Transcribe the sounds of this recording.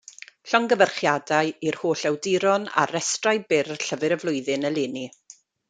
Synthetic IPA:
ɬɔŋɡəvərχjadaɨirhoːɬɛwdɪɾɔna̰ɾɛstrajbɪrɬəvɨɾəvlˠʊɨðɨnəlˠɪːni

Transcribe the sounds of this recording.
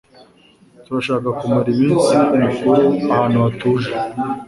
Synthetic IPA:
tuɾaʃaːkakumaɾiminsiumukuɾeahaːnuatuʒe

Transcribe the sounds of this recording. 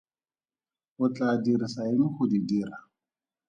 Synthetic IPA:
ʊt͡ɬʼadiɾisaɪnxʊdidiɾa

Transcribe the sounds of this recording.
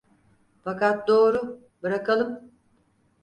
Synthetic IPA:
fakat̪̚d̪oːɾu | bɯɾakalˠɯm

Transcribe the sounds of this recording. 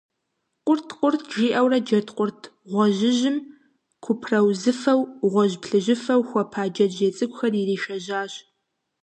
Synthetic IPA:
qʷʊrtʰqʷʼʊrtʰʒiːʔɐwrɐd͡ʒɐtʰqʷʼʊrtʰʁʷɔʑɪʑɪm | kʷʰʊpʰrɐwzɨfɐwʁʷɔʑpɬɨʒɪfɐwxʷɔpʰaːd͡ʒɐʒeːt͡sʼɨkʷʼʊxɐririːʃɐʒaːɕ

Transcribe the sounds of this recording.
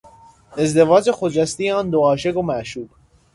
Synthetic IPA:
e̞zd̪e̞vɒːd͡ʒexod͡ʒæst̪ijeɒːnd̪oɒːʃeɡomæʔʃuːb̥

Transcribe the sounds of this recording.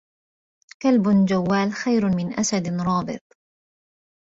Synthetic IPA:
kalbd͡ʒawːaːlxajɾmɪnʔasad̪ɾˤɑːbɨ̰t̪̚ˤ

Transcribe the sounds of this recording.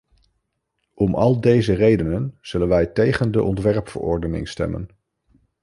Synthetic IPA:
ɔmʔɑlˠdejzərejdənənz̥ɵlənʋɛjtejχəndəʔɔntʋɛɹpfə̰ɹɔ̰ɹdənɪ̰ŋstɛ̰mə̰n

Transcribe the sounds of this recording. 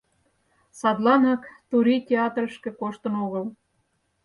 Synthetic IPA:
sɑd̪lɑnɑkt̪uɾʲitʲeɑt̪rəʃkĕkoʃt̪ə̆noɣəl

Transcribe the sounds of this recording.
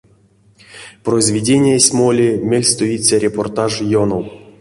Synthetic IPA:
proizʲvʲidʲenʲijasʲmolʲimʲelʲst̪oit͡sʲaɾʲeport̪aʐjonow

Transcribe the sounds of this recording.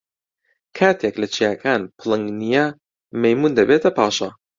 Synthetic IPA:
kʰaːt̪ʰeklɐt͡ʃʰijaːkʰaːnpʰɨlˠɨŋɡnijɐ | mɐjmuːnd̪ɐbeːt̪ɐpʰaːʃɐ

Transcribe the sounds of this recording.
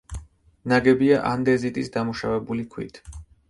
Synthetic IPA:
naɡɛbiaʔand̪ɛzit̪ʼisd̪amuʃavɛbulikʰwḭt̪ʰ

